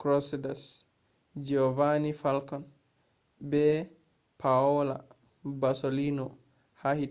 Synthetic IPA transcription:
kɾɔsidas | d͡ʒɔvanifalkɔn | bɛ | pʰaɔla̰ | basolinɔ | hahi

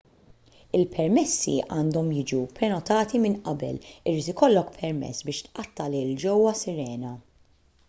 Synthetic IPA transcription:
ɪlpʰɛɾmɛsːḭʔɐːnd̪ɔmjɪːd͡ʒupɾɛnɔt̪ɐːt̪imɪnʔɐbɛ̰lɪɾiːt̪ɪkɔlːɔkpʰɛɾmɛ̰sːbɪːʃt̪ʔɐt̪ːɐlɪld͡ʒɔwːɐsɪɾɛːnɐ

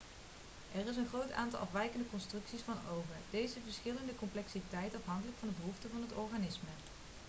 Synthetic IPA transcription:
ʔɛrɪs̬ənχrowta̰ːntɑlˠʔɑ̰fʋɛjkəndəkɔnstrɵksisfɑnowvədejzəvəɹsχɪləndəkɔmplɛksitɛjtɑfɦɑŋkələkfɑndəbəɦuftəvɑnɦətɔɹχanɪsmə

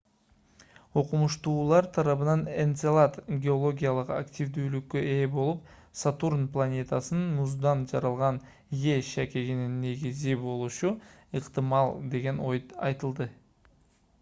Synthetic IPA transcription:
o̞qumuʃt̪uːlˠɑɾt̪ʰɑɾɑβɯnɑnent̪selˠat̪ɡʲe̞o̞lˠo̞ɡʲijalˠəqa̰kt̪ʲivd̪yːlykːøʔe̞bo̞lˠup̚ | sat̪urnplˠanʲe̞t̪asənːuzd̪ɑnd͡ʒɑɾɑlˠʁɑn | je̞ʃækʲe̞ɡinɪnːe̞ɡʲizibo̞lˠuʃu | ɨqt̪ɨmɑlˠd̪e̞ɡʲe̞no̞jɑjt̪ɯlˠd̪ə

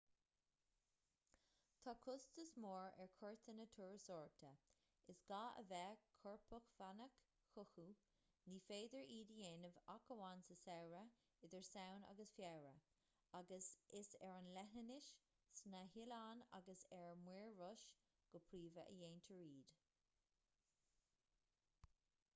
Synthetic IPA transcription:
t̪ʰaːkʰʊstəsmɔːɹɛɹkʰɔɹt̪ʰənət̪ʰuːɹsɔːɹt̪ʰə | ɪsɡ̥aːə̰vɛːkʰɔɹpʰəxv̥anək | xʊxu | niːfeːd̪əɹiːdəjeːnəvakəwansəsɛwɹə | ɪd̪əɹsawna̰ɡəsfjɛɹə | aɡəsɪsɛɹanlɛɦənɪʃ | snahɪlaːna̰ɡəsɛɹmwiːɹːʊʃ | ɡ̥əpʰɾiːvəʔə̰jeːnt̪ʰəɹiːd̪̥

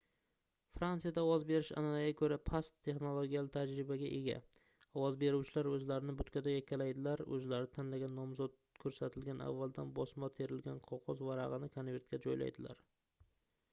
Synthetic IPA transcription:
fɾansijad̪aɒvɒzbe̞ɾɪʃa̰nalaɡʲakʰɵɾapʰast̪ʰːe̞χnolˠoɡʲijalɪt̪ʰad͡ʒɾɪbaɡʲaʔe̞ɡʲa̰ | ɒvɒzbe̞ɾuwt͡ʃʰɪlaɾɵzlaɾɪnɪbʊt̪kʲʰad̪ajakʲʰalajd̪ɪlaɾɵ̰zlaɾɪt̪ʰanlaɡʲanːɒmzɒd̪̚ | kʰɵɾsat̪ʰɪlɡʲana̰vːalˠd̪anbɒsmɒt̪ʰe̞ɾɪlɡʲanqʰɒqʰɒzvaɾɑʁɨnɪkʰonve̞ɾt̪̚kʲad͡ʒɒjla̰jd̪ɪla̰ɾ

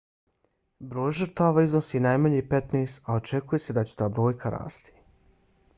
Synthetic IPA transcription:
bɾo̞ːjʒɨɾt̪aːʋaːiznosiːnajmaɲipe̞t̪neːst̪ao̞t͡ʃekuje̞se̞d̪at͡ɕe̥t̪aːbɾo̞ːjkʰaɾa̰ːst̪i̥

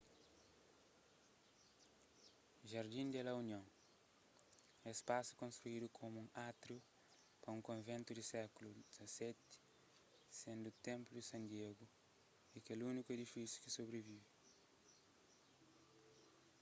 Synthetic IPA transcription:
ʒɐɾd̪ĩnd̪ɛlɐunjõŋ | espasu̥kõnst̪ɾuid̪ukʰomũŋat̪ɾu | pɐũŋkõnvẽnt̪ud̪isɛkulud̪izɐsɛt̪ɪ̥ | sẽnd̪ut̪ẽmpludisɐ̃nd̪ieɡu | ikelunikued̪ifisju̥kisobɾevivi

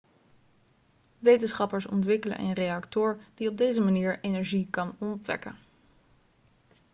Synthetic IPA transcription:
ʋejtənsχɑpəɹsɔ̰ntʋɪkələ̰nʔə̰nrejɑktʊːɹd̥iɔb̚dejzəmaniːɹenɛɹʒikɑnɔnɔpʋɛ̰kə̰n

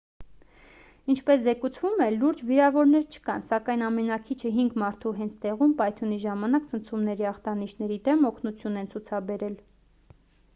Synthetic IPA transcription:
int͡ʃʰpɛszɛkut͡sʰvumɛluɾd͡ʒviɾɑvɔɾnɛɾt͡ʃʰə̥kɑnsɑkɑjnɑmɛnɑkʰit͡ʃʰəɦiŋɡmɑɾt̪ʰuɦɛnt͡sʰt̪ɛʁumpɑjt̪ʰuniʒɑmɑnɑkt͡sʰənt͡sʰumnɛɾiɑχt̪ɑniʃʰn̪ɛɾid̪ɛmɔkʰnut͡sʰjunɛnt͡sʰut͡sʰɑbɛɾɛl

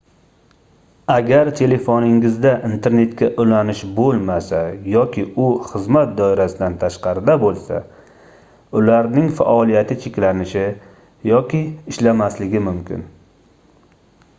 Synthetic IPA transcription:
aɡʲaɾt̪ʰe̞le̞fonɪŋɪzd̪aʔint̪ʰe̞ɾne̞t̪kʲaʔʊlanɪʃbolˠmasajɒkʲʰɪʊχɨzmat̪̚d̪ɒɪɾasɪd̪ant̪ʰaʃqɑɾɪd̪abolˠsa̰ | ʊlaɾnɪŋfa̰ʔɒlijat̪ʰɪt͡ʃʰekʲlanɪʃɪ | jɒkʲɪːʃlamaslɪɡʲɪmʊmkʲɪ̰n

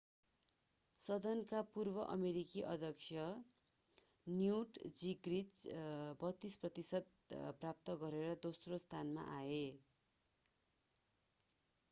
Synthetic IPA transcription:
sʌd̪ʌnkapurbʌʔʌmeɾikiʔʌ̰d̪ʱʌkt͡sʰjʌ | njuʈd͡ziɡrit͡sbʌt̪ːisprʌt̪isʌd̪̚ | prap̚t̪ʌɡʌɾeɾʌd̪osrost̪ʰanma̰ʔae

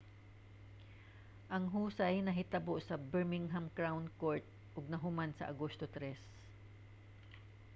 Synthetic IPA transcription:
ʔɐŋɦuːsajnɐɦɪt̪ɐboʔsɐbɛɹmɪŋɦamkɹawnkoɹt̪̚ | ʔʊɡ̚nɐɦʊmansɐ̰ʔɐɡost̪ot̪ɾɛs

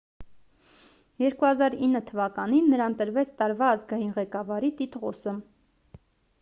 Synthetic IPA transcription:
jɛɾkuhɑzɑɾinːət̪ʰəvɑkɑninːəɾɑnt̪əɾvɛt͡sʰt̪ɑɾvɑːzɡɑjinʁɛkɑvɑɾit̪it̪ʁɔsə

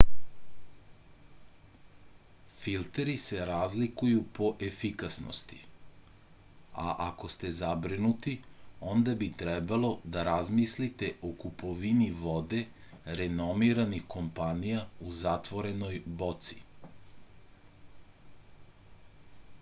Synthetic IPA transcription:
filt̪eɾise̞ɾazlikujupo̞ʔefikasno̰st̪i̥ | a̰ʔako̞st̪e̞zabɾinut̪io̞nd̪abit̪ɾɛbalo̞d̪aɾazmislit̪e̞ʔokupʰo̞ʋiniʋo̞d̪e̞ | ɾeno̞miɾanixko̞mpanijauzat̪ʋo̞ɾe̞nojbo̞t̪si̥

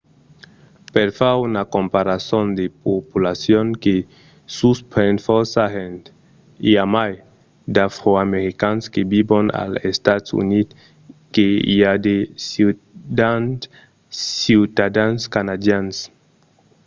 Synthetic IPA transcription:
peɾfaunakompaɾasond̪epopulasjoŋke | suspɾenfoɾsahent̪ | iamaj | d̪afɾoameɾikanskebibona̰lḛst̪at̪ṵnit̪ | keḭad̪es | an | siwt̪ad̪anskanad̪jans

